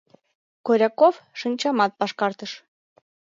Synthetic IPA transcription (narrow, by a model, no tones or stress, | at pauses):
koɾʲɑkofʃənt͡ɕɑmɑt̪̚pɑʃkɑrt̪əʃ